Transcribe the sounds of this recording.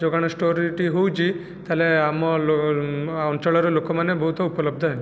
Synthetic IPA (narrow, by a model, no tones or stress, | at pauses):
d͡ʒoɡaɽ̃ɔsʈoɾiʈiɦowt͡ʃʰi | t̪aleamɔlo | ɔnt͡ʃɔɭɔɾelokɔmanebɔɦut̪ɔupɔlɔb̚d̪ʱɔɦɛ